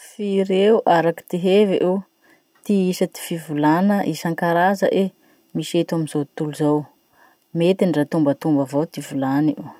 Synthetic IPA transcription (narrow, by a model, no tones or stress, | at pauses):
fiɾeuʔaɾaki̥t̪iɦeveʔew | t̪iisət̪i̥fivulanəʔisaŋkaɾazə̰ʔe | miset̪aminzot̪uluzaw | met̪inrat̪umbət̪umbəvowt̪ivulaniew